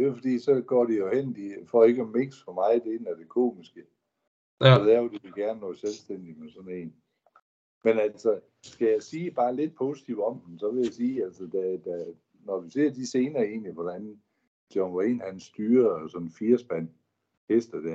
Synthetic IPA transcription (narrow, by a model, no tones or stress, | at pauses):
d̥e̝fɒd̥ḭːsɒ̽ɡ̥ɒ̰ːd̥ijo̝hen̰d̥ifɒ̰ːe̝ɡ̥ɒme̝ŋsfɒmɑ̈ɪd̥enæɐd̥e̝kʰo̝̰ːmisɡ̥ə | ɒd̥æɐjod̥iʋeɡ̥æɐnəːɔːselsd̥en̰d̥imesɒ̽ne̝ːn | menæl̰sɒ | sɡ̥æjɑ̈ɪsiːb̥ɑ̈ːle̝d̥̚pʰo̝ːsit͡sʰiʊ̰ɒ̽md̥m̩sɒ̽ʋe̝jæsiːæl̰səd̥æd̥æ | nɒd̥use̝ɐ̰d̥ise̝ːnɐːe̝ːnliʋɒd̥æn | d̥jɒŋḛːnhænsd̥yːɐsɒ̽nfiɐsb̥æn̰ | hesd̥əd̥æɐ̰